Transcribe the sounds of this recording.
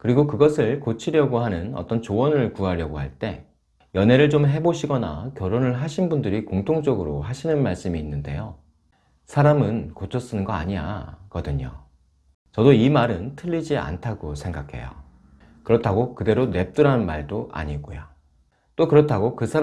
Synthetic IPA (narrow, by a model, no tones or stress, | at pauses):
kɯɾiɡokɯɡʌsʰɯɭkot͡ɕʰiɾjʌɡoɦanɯnʌ̰t͈ʌnt͡ɕowʌnɯɭkuɦaɾjʌɡoɦhaɭt͈e̞̰ | jʌnɦe̞ɾɯɭt͡ɕomɦe̞boɕʰiɡʌna̰kjʌɾonɯɭɦaɕʰinbundɯɾikoŋtʰoŋd͡ʑʌɡɯɾoɦaɕʰinɯnmaɭs͈ɯmiːnːɯnde̞̰jo | sʰaɾamɯnkot͡ɕʰʌs͈ɯnɯnɡʌa̰ɲija̰kʌdɯɲo̰ | t͡ɕʌdoimaɾɯntʰɯʎːid͡ʑia̰ntʰaɡosʰe̞ŋɡakʰe̞̰jo̰ | kɯɾʌtʰaɡokɯde̞ɾone̞p̚t͈ɯɾanmaɭdoʔa̰ɲiɡo̰jo | t͈okɯɾʌtʰaɡokɯsʰa